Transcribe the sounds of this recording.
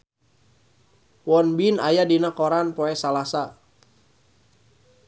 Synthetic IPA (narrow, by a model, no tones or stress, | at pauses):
wɔnbinajadinakɔɾanpɔɛsalasa